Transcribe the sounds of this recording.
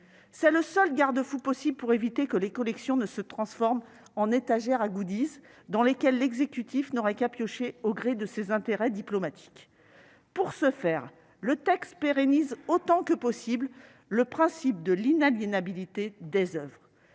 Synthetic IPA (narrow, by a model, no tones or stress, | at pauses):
sɛləsœlɡaʁd̪əfupɔsiblpuʁevit̪ekəlekɔlɛksjɔ̃nəsət̪χɑ̃sfɔʁm | ɑ̃net̪aʒɛʁaɡud̪iz | d̪ɑ̃lekʲɛlːɛɡzekʲyt̪ʰifnɔʁɛkapjɔʃeoɡʁed̪əsezɛ̃t̪eʁɛd̪iplɔmat̪ʰi̥k | puʁsəfɛːʁ | lət̪ɛkst̪peʁenizot̪ɑ̃kəpɔsibl | ləpχɛ̃sip̚d̪əlinaljenabilit̪ed̪ezœvʁ